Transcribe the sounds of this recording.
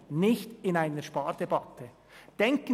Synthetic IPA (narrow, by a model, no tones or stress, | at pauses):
nɪçtɪnaɪnəʃpɑːɾd̥ɛbɑtʰə | d̥ɛŋkə